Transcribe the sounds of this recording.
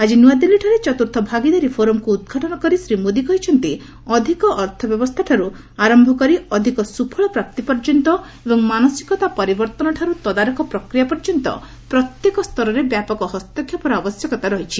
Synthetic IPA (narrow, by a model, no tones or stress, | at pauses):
ad͡ʒinuad̪ilːiʈʰɔɾet͡ʃɔt̪uɾt̪ʰɔbʱaɡid̪aɾipʰoɾɔmkuːd̪̚ɡʱaʈɔnɔkɔɾisɾimod̪ikɔɦit͡ʃʰɔnt̪i | ɔd̪ʱikɔʔːɾt̪ʰɔbjɔbɔst̪ʰaʈʰaɾu | aɾɔmbʱɔkɔɾiɔd̪ʱikɔsupʰɔɭɔpɾap̚t̪ipɔɾd͡ʒɔnt̪ɔ | ebɔŋmanɔsi̥kɔt̪apɔɾibɔɾt̪ɔnɔʈʰaɾut̪ɔd̪aɾɔkɔpɾɔkɾijapɔɾd͡ʒɔnt̪ɔ̰ | pɾɔt̪jekɔst̪ʰɔɾɔɾebjapɔkɔɦɔst̪ɔkʰjɔpɔɾɔabɔsjɔkɔt̪aɾɔɦit͡ʃʰi